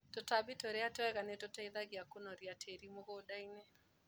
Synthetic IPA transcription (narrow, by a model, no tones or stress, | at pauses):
totabɪtoɾeatɛwɛɣanetotaiðaɣiakonɔɾiatʰeɾimoɣodainɛ